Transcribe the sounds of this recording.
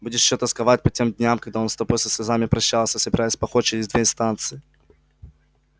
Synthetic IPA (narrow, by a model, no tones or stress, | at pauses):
budʲɪʂɕot̪ɐskɐvat̚ʲpɐtʲe̞md̪ʲnʲamkɐɡ̚d̪ao̞nst̪opojʲsʲɪsʲvʲɪzamʲɪpɾɐɕːalˠsʲəsəbɪɾajɪsʲpɐxot̪t͡ɕɪɾʲɪzʲd̪vʲeɪnst̪ant̪sɨɪ